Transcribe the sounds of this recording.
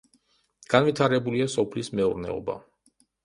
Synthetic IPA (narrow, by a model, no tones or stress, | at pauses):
ɡ̥anvit̪ʰaɾɛbuliasɔpʰlismɛṵɾnɛ̰ɔ̰ba̰